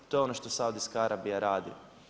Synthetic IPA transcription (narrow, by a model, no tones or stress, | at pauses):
t̪o̞eonoʃt̪osaud̪iskaaɾʔabijaɾaːd̪ḭ